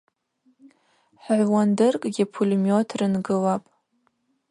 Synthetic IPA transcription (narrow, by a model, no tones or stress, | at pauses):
ħʕʷwandɨrkʼɡʲɪpʰulmjotʰrɨnɡɨlapʼ